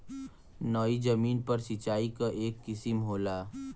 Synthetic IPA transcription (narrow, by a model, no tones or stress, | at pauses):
nɔid͡ʒɐmiːnpɐɾsit͡ʃaːikaʔeːkːɪsɪmɦoːlaː